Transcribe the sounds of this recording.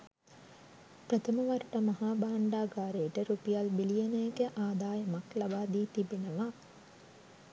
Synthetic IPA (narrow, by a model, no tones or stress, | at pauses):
prət̪ʰəməʋaɾʈəmaɦaːbaːɳɖaːɡaːɾejːʈəɾupijalbilijenejɡeʔaːd̪aːjəmaklabaːd̪iːt̪ibenəʋa